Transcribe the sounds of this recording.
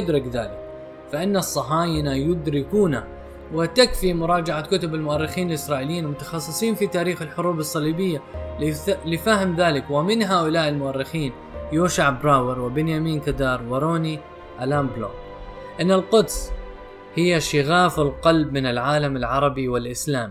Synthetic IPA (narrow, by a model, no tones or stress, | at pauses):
ʊd̪ɾɪkða̰ːlɪk | faʔɪnːasˤːɑħaːjɪnajʊd̪ɾɪkuːna | wɪt̪akfimʊɾˤɑːd͡ʒaʕakʊt̪ʊbɪlmʊʔarˤːɪxiːnɪlʔɪsɾˤɑːʔɪlɪjiːnlmʊt̪ɑ̥xɑsˤːɨsˤiːnfit̪aːɾiːxɪlħʊɾuːbɨsˤːɑliːbɪjːa | lɪfaːhɪmðaːlɪkwɪmɪnɦaːʔʊlaːʔɪlmʊʔarːɪxiːn | juːʃaʕbɾˤɑːwɪɾˤwɪbɪnjamiːnkad̪ɑːɾˤwɪɾoːni | ʔalaːmbloː | ʔɪnːalqʊd̪s | hɪjːaʃɪɣaːfɪlqɑlbmɪnɪlʕaːlamɪlʕɑɾˤɑbiwɪlʔɪslaːmi